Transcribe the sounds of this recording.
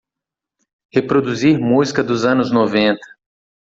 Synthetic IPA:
hepɾod̪uziɾmuzikɐd̪ʊzɐ̃nʊznovẽnt̪ɐ̥

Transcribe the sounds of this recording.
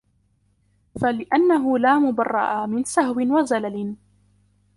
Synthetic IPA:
falɪʔanːaɦʊlaːmʊbɑrˤːɑ̰ʔamɪnsahwɪnwazalalɪn

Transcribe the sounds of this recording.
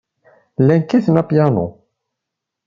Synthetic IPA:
lænkiθənæpjɑno̰

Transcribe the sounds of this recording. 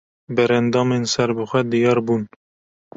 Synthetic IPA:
bɛɾɛnd̪ɑːmensɛɾbɨxʷɛd̪ijɑːɾbuːn

